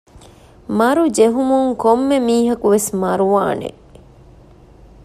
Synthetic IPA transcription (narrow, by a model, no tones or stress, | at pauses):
mɐɾud͡ʒeɦumuŋkomːemiːɦɐkuʋesmɐɾuʋa̰ːnḛ